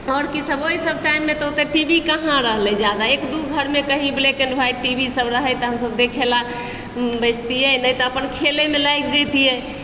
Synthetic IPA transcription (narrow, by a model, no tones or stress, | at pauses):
ɔɾkisəboisəb̚ʈaimːẽt̪ɔot̪eʈibikəɦãɾəɦlɛ̃d͡ʒjad̪aekd̪uɡʱəɾmekəɦĩblekəɳɖbʱajʈibʱisəbɾəɦət̪ɔɦəmsəb̚d̪ekʰela | bəd͡ʒt̪ijɛnəjt̪ɔəpənkʰelemelajkd͡ʒet̪ijɛ